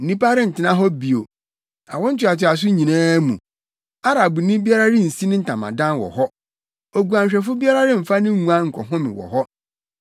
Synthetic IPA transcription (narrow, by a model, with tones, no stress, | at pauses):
n̩˨nĩ˦pa˦ɾɪ˦n̩˨tʰɪ˨˦nã˦ɦɔ˦bi˨o˨ | a̰˨wʊ̃˦n̩˦t͡ɕʰɪ˨a˨tɪ˨a˨s̬ʊ˦ɲĩ˨nãː˦mṵ̃˨ | a˦ɾa˨bu˨nĩ˦bi˦a˦ɾa˦ɾɪ̃˦n̩˨si˦nɪ̃˦n̩˨tʰã˨mã̰˨dã˦nwɔ̰˨ɦɔ˦ | o˨ɡu˨ã˨ɲɕᶣɛ˨fʊ˦bi˦a˦ɾa˦ɾɪ̃˦m̩˨fa˦nɪ̃˦ũ˨ã˦ŋ̩˨kʰɔ̰˨ɦʊ̃˦mɪ̰̃˨wɔ̰˨hɔ˦